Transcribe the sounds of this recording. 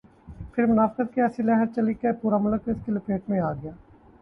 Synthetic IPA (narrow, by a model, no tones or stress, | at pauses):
pʰɪɾmʊnaːfqət̪̚kiɛːsilɛɦəɾt͡ʃɐlikepuːɾamʊləkɪskilopeːʈmẽaːɡɪjaː